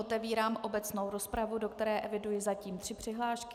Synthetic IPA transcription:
ot̪ɛviːɾaːmʔo̞bɛt͡sno̞wɾo̞spɾavudo̞kt̪ɛɾɛːʔɛvɪdujɪzaciːmt̪r̥ɪpr̝̥ɪɦlaːʃkkɪ

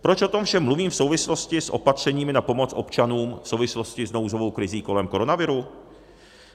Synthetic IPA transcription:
pɾot͡ʃʔo̞t̪o̞mfʃɛmːluviːmfso̞wvɪslo̞scɪsʔo̞̰pat̪r̝̥ɛɲiːmɪnapo̞mo̞t͡sʔo̞pt͡ʃanuːmfsowvɪslo̞scɪzno̞wzovo̞wkɾɪziːko̞lɛmko̞ɾo̞navɪɾu

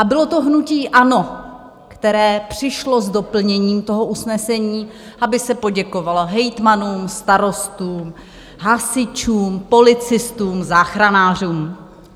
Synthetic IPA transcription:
ʔabɪlo̞t̪o̞ɦnuciːʔano̞ | kt̪ɛɾɛːpr̝̥ɪʃlo̞zdo̞pl̩ɲɛɲiːmt̪o̞ɦoʔusnɛsɛɲiː | ʔabɪsɛpo̞ɟɛko̞valoɦɛjt̪manuːmst̪aɾo̞st̪uːm | ɦasɪt͡ʃuːmpo̞lɪt͡sɪst̪uːmzaːxɾanaːr̝uːm

